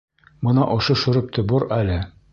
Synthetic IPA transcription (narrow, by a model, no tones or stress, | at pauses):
mɤ̆nɑʔoʃɤʃɵ̆ɾɤp̚t̪ʰŏboɾælɘ